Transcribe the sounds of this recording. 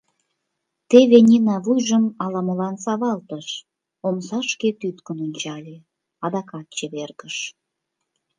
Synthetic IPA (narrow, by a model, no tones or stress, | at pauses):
t̪eβenʲinɑβujʒəmɑlɑməlɑnsɑβɑlt̪əʃ | omsɑʃket̪yt̪kənonʲt͡ɕɑlʲe | ɑd̪ɑkɑt̪̚t͡ɕeβerɣəʃ